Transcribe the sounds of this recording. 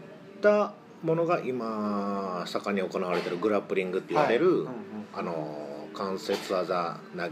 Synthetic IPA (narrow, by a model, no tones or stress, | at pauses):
t̪a | mo̞no̞ɡaʔima | sakaɲ̟io̞ko̞naβaɾe̞t̪eɾɯ̟ɡɯ̟ɾapɯ̟ɾʲĩŋɡɯ̟t̪ːeiβaɾe̞ɾɯ̟ano̞kãɰ̃se̞t͡sɨaza | na